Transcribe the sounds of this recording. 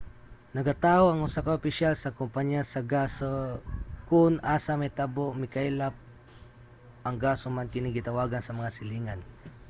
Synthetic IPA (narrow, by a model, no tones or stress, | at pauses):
nɐɡɐt̪aːʔoɐŋʊsakɐʔʊpɪʃalsɐkʊmpaɲjasɐɡasokʊnʔaːsɐmɐjt̪aboʔmɪkajlap̚ | ʔɐŋɡaːsomankɪnɪɡɪt̪ɐwaːɡɐnsɐmɐŋasɪliːŋan